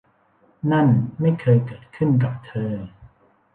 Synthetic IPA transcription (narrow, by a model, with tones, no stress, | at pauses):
na˥˩nma˥˩jkʰɤː˧jkɤː˨˩t̪̚kʰɯ˥˩nk̬a˨˩p̚t̪ʰɤː˧